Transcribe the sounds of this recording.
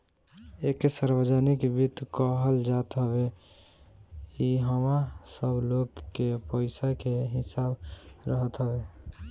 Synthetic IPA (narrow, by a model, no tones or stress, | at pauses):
eksaɾbəd͡ʒənikbit̪kɔɦəld͡ʒat̪ɦəbe | kiɦəmasəbloɡkepəɪsakeɦɪsabɾəɦət̪ɦəbe